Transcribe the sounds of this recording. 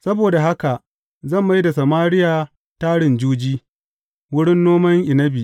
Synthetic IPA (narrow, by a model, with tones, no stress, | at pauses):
sɐ˦boː˨da˨ɦa˦ka˨ʔ | zɐ˦˨mba˦jda˨sa˨maː˦ɾɪ˦jaː˨ | taː˦ɽɪ˨nd͡ʒuː˦d͡ʒiː˦ | wʊ˦ɽɪ˦nːoː˦mɐ˦ŋʔɪ˨nɐ˦bi˨ʔ